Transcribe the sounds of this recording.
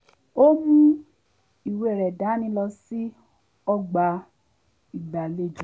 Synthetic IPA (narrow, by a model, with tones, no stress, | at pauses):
o˦mũ˦ | i˨we˧˨ɾɛ˨da˨˦nĩ˧˦lɔ˧si˦ | ɔ˦ɡ͡ba˧ | i˨ɡ͡ba˨le˦˨d͡ʒũ˨˦